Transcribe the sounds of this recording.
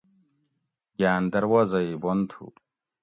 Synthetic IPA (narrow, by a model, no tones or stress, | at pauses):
jaːnd̪ɐɾwaːzɐibont̪ʰṵ